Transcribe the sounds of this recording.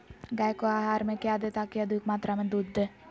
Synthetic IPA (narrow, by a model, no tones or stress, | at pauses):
ɡajkoaːɦaːɾmẽkjad̪et̪akːiad̪uikmat̪ɾamẽd̪ud̪ʱːə